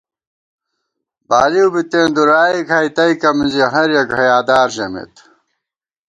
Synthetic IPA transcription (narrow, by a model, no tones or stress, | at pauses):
baːliubit̪ẽːnd̪uɾaːikʰɐjt̪ɐijkɐmiziɦɐɾjɐɡɦɐjaːd̪aːɾʑɐmḛt̪